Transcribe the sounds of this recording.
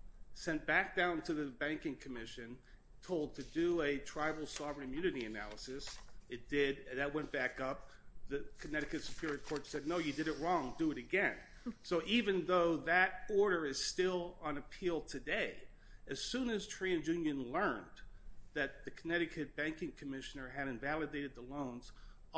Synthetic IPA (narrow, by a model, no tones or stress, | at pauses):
sɛ̃n̚b̥æk̚d̥ãʊ̃ntʰɨðɨbæ̃ŋkɪ̃ŋkʰɨmɪʃɨ̃n | tʰoʊlˠd̚tʰɨdɨɨtʰɹ̥aɪbl̩ˠsɑvɹɨ̃nɨ̃mjʉnɨɾiɨnæ̰lˠəsɨsɨt̚d̥ɪdðɨt̚wɛ̃nb̥ækʌp̚ | ðɨkʰɨnɛɾɨkɨtsɨ̥kʰj̥ʊɹɨɾɨkʰɔɹtsɛdⁿnoʊjɨdɨɾɨt̚ɹɔ̃ŋdɨɨɾɨɡɛ̃n | soʊʔivɨ̃nðoʊðɨɾɔɹɾə˞ɨz̥stɪlˠə̃nɨpʰilˠtʰɨdeɪ | ɨz̥sʉ̃nɨz̥tʰɹ̥iɨ̃njʉ̃njɨ̃nlɜ̃˞nðɨt̪̚ðɨkʰənɛɾɨkʰɨt̚b̥æ̃ŋkɪ̃ŋkʰɨmɪʃɨnə˞ɨɾɨ̃ɱvælˠɨdeɪɾɨd̪̚ðəlõʊ̃nz̥